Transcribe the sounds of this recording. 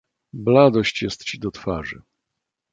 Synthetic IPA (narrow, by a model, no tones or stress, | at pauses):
blad̪ɔɕt͡ɕjɛst̪t͡ɕid̪ɔt̪faʐɨ̰